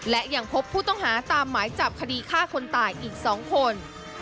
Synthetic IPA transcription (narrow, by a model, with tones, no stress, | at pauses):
lɛ˦˥ʔja˧˩ŋpʰo˦˥pʰːuː˥˩t̪ɔ˥˩ŋɦhaː˩˦t̪aː˧mːaː˩˦jt͡ɕa˨˩p̚kʰa˧diː˧kʰaː˥˩kʰo˧nt̪aː˨˩jʔiː˨˩k̚sɔː˩˦ŋkʰo˧n